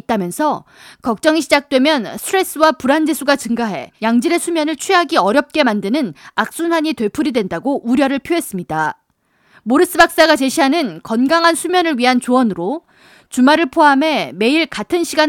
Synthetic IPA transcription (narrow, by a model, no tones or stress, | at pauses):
t͈̚amjʌnsʰʌ | kʌk̚t͡ɕ͈ʌŋiɕʰid͡ʑak̚t͈we̞mjʌnsʰɾe̞s͈ɯwapuɾand͡ʑe̞sʰuɡat͡ɕɯŋɡaɦe̞̰jaŋd͡ʑiɾe̞sʰumjʌnɯɭt͡ɕʰɥiɦaɡiʌɾjʌp̚k͈e̞mandɯnɯnak̚s͈unɦaɲitwe̞pʰuɾidwe̞ndaɡoʔuɾjʌɾɯɭpʰjoɦe̞s͈ɯmɲida | moɾɯs͈ɯbak̚s͈aɡat͡ɕe̞ɕʰiɦanɯnkʌnɡaŋɦansʰumjʌnɯɭɥiɦant͡ɕowʌnɯɾo | t͡ɕumaɾɯɭpʰoɦamɦe̞me̞iɭkatʰɯnɕʰiɡan